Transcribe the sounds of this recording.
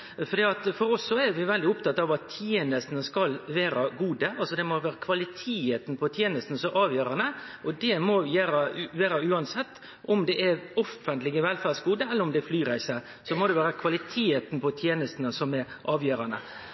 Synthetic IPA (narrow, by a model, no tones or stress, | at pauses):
fɔɾd̪iːɑt̪fɔɾɔsːɔɛɾʋɪʋɛld̪ɪʊpt̪ɑt̪ːɑɑʋɑt̪ʰːjeːnəst̪nəskɑlʋeːɾɑɡuːd̪əʔɑlsɔd̪ɛmɔʋæːɾəkʰʋɑlɪt̪ʰeːət̪n̩pʰɔt̪ʰjeːnəst̪ənəsɔʔɑːʋjøːɾɑnə | ʔɔd̪ɛmɔʋjæːɾəʋeːɾəʉːɑnsɛt̪ː | ʔɔmd̪ɛʔɛɾɔfənt̪lɪɡəʋɛlfæɾsɡuːd̪əɛlːəɾʊmd̪ɛɛflyːɾæɪsə | sɔmɔd̪ɛʋæːɾəkʰʋɑlɪt̪ʰeːət̪n̩pʰɔt̪ʰjeːnəst̪nəsɔmɛɾ | ʔɑːʋjøːɾɑnə̰